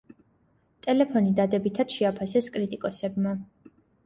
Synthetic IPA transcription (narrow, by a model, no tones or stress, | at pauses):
t̪ʼɛlɛpʰɔnid̪ad̪ɛbit̪ʰad̪̥ʃɛapʰasɛskʼɾit̪ʼikʼɔsɛbma